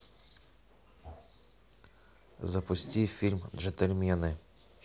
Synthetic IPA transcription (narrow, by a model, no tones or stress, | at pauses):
zɐpɔsʲtʲijfʲilʲmʒet̪elʲmʲijɐnɪ